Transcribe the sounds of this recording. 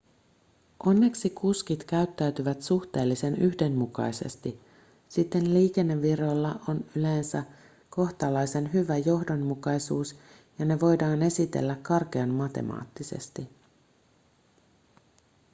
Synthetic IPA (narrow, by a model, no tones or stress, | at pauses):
ʔo̞nːe̞ksikuskit̪k̟æyt̪ːæɥt̪yʋæt̪suht̪e̞ːlːise̞nyçde̞mːmukɑ̰jse̞̰st̪i | sit̪ːe̞nliːke̞nːe̞ːiro̞lːɑʔo̞nyleːnsæ | ko̞ht̪ɑlɑjse̞nɦyʋæjo̞ɦdo̞nmukɑjsuːs | jɑne̞ʋo̞jdɑːne̞sit̪e̞̰lːækːɑrk̟eɑnmɑt̪e̞̰mɑ̰ːt̪ːise̞̰st̪i